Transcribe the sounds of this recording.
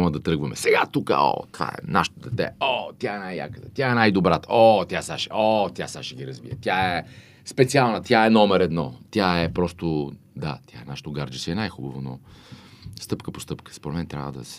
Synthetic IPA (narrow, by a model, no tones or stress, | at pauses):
məd̪ɐt̪ɾɤɡvɐmɛ̰sɛɡat̪ukə̰ɔ̰t̪ova̰ɛ̰na̰ʃt̪od̪ɛt̪ɛ̰ɔt̪ʲjaɛnajja̰kət̪ə̥t̪ʲaɛnajd̪obɾat̪əɔt̪jasaʃɛ̥ɔt̪ʲjasaʃɛɡʲiɾɐzbḭət̪jaɛ | spɛt̪sialˠnət̪jaɛnɔmɛɾɛd̪nɔt̪jaɛpɾɔst̪od̪a̰t̪ʲjaɛnaʃe̥t̪oʊɡaɾd͡ʒisiɛnajxubəvono̰ | st̪ɤpkəpo̥st̪ɤpkə̥spoɾɛt̪mɛnt̪ɾʲa̰vəd̪ɐ̰sɛ̥